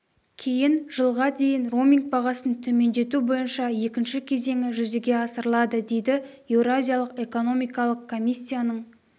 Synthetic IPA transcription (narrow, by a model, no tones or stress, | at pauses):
kʲʰe̞jɪnʒ̥əlˠʁɑd̪e̞jɪnro̞mʲiŋɡ̚bɑʁɑsənt̪ʰɵme̞nd̪e̞t̪ubo̞jənʃɑje̞kʲɪnʃɪkʲʰe̞ze̞ŋɪʒʏze̞ɡʲe̞ɑsəɾəlˠɑd̪əd̪e̞jd̪ɪ | evɾazʲijalˠəqe̞ko̞no̞mijkɑlˠəqkʰːo̞mʲisʲːijanəɴ